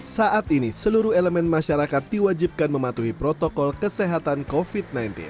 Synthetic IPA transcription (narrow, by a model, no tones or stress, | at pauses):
saʔat̪inisəluɾuheləmɛnmaʃaɾakat̪̚diwad͡ʒip̚kanməmat̪uɦipɾot̪okɔlkəseɦat̪ankofit̪̚najnt̪ḭn